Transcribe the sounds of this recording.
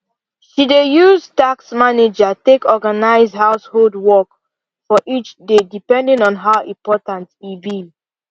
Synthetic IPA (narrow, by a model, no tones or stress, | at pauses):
ʃidejuztaksmaned͡ʒatekɔɡanaɪzhaʊsholdwɔk | fɔʔit͡ʃdedipɛ̃ndĩŋɔ̃nɦaʊĩmpɔtãntivi